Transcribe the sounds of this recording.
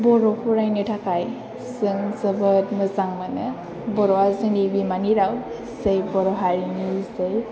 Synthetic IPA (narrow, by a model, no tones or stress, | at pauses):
bɔɾɔhʰuɾajnetʰakʰaj | sɯŋsɯbɯtmɯzaŋmanɯ | bɔɾɔwazɯnibimaniɾaw | zejbɔɾɔɦaɾinizej